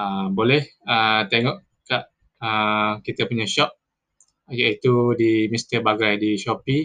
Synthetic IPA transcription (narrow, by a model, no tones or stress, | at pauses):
əbolɛhət̪eŋɔʔ | kaʔ | əkit̪əpuɲaʃɔp̚ | jait̪udimist̪əbaɡajdiʃɔpi